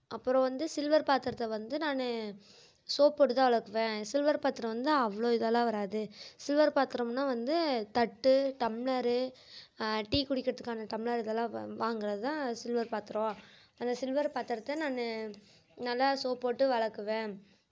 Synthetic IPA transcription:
ɐpːɯɾɔ̃ːʋɐnd̪ɯsɪlʋɐɾpaːɾt̪ɪɾɐt̪ːɐʋɐnd̪ɯnaːnɯ | soːpːoːʈɯt̪ãːʋɐɭɐkːɯʋẽːsɪlʋɐɾpaːɾt̪ːɯɾɐ̃ʋɐnd̪ɯɐʋɐɭoːɪðɐlãːʋɐɾaːðɯsɪlʋɐɾpaːɾt̪ɯɾɐmnːaːʋɐnd̪ɯt̪ɐʈːɯʈ̪ɐmɪɭɐɾɯ | ʈiːkʊɽɪkːɪɾɐt̪ːɯ̥kːaːnɐʈ̪ɐmɪɭɐɾɪðɐlːãːʋaːŋɡɪɾɐðɯt̪ãːsɪlʋɐɾpaːɾt̪ɯɾõː | ɐnd̪ɐsɪlʋɐɾpaːɾt̪ɪɾɐt̪ːɛnaːnɯ | nɐlːasoːpoːʈːɯʋɐɭɐkːɯʋẽː

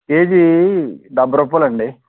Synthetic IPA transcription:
ke̞ːd͡ʒid̪ɐbːɐɾɐpːɐlɐɳɖi

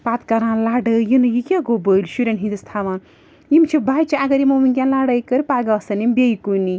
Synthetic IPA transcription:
pat̪kɐɾãːnlaːɖəjinɨjikʲaɡobəlʲʃuɾʲɐnɦĩnd̪ɨst̪ʰaʋan | jimt͡ʃʰibʱajt͡ʃʰiaɡɐɾimominɡʲãnlaɽɐjkəɾipaːɡasɐnimbʲejikuni

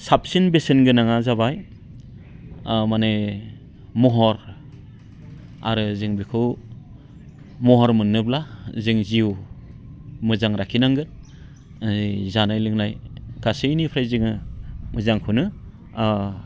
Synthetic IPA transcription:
sap̚sinbesenɡɯnaŋazabaj | mane | mɔɦɔɾ | a̰ɾɯzɯŋbikʰɯw | mɔɦɔɾmɯnːɯblazɯŋziw | mɯzaŋɾakʰinaŋɡɯn | zanajlɯŋnajɡ̥asɯjnipʰɾajzɯŋɯmɯzaŋkʰunɯ

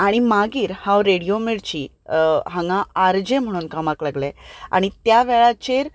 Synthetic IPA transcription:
aɽ̃imaɡiːɾhãwɾeɽijomeɽt͡ɕiː | ɦãŋɡãaɾd͡ʑẽm̤əɽ̃uːnkamaklaɡlea̰ɽ̃it̪jaʋɛɭat͡ɕeɾ

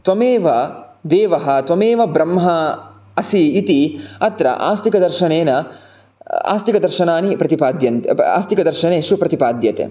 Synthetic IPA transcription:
t̪ʋɐmeːʋɐ | d̪eːʋɐɦɐt̪ʋɐmeːʋɐbɾɐmɦɐ | ɐsiːt̪iɐt̪ɾɐ̰ʔa̰ːst̪ikɐd̪ɐɾʃɐneːnɐ | a̰ːst̪ikɐd̪ɐɾʃɐnaːnipɾɐt̪ipaːd̪jɐnt̪ea̰ːst̪ikɐd̪ɐɾʃɐneːʃupɾɐt̪ipaːd̪jɐt̪ḛː

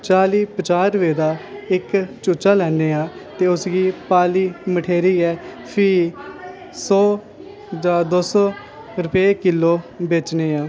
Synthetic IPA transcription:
t͡ʃaːliːpət͡ʃaːɾʋeːd̪aːɪkt͡ʃʊːt͡ʃaːlɛːneːaːt̪eːʊsɡiːpaːliːməʈʰeːɾiːɛː | pʰiː | sɔː | d͡ʒaːd̪oːsɔː | ɾʊpeːkɪlːoːbeːt͡ʃneːaː

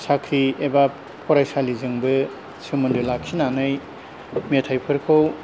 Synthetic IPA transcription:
sakʰɾieba | pʰɔɾajsalizɯŋbɯ | sɯmɯndulakʰinanɯj | metʰajpʰɯɾkʰow

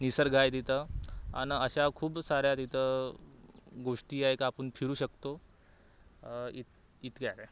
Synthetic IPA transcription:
nisəɾɡʱajd̪it̪əa̰nəɕakʰuːbsaɾjat̪it̪ə | ɡoʂʈiːaekapəɳpʰiɾuːɕəkt̪o | it̪ | it̪ɡaɾe

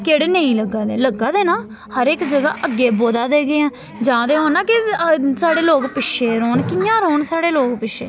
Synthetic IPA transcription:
keɽnəĩːləɡːaːd̪eːləɡːaːd̪eːnaː | həɾekd͡ʒəɡa̰ːʔəɡːeːboːd̪aːd̪eːɡeːãː | d͡ʒãːd̪eːɦõːnːaːkɪsaːɽeːloːɡpɪʃeːɾoːnkɪjãːɾoːnsaːɽeːloːɡpɪʃḛː

